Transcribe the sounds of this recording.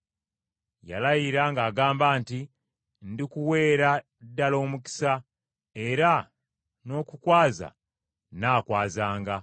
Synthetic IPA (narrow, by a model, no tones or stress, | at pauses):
ja̰lajiɾaŋɡaːɡaːmbaːnti | ndikuwe̞ːɾa | dːalo̞ːmuki̥sa | e̞ɾa | no̞ːkukwaːza̰ | naːkwaːzaːŋɡa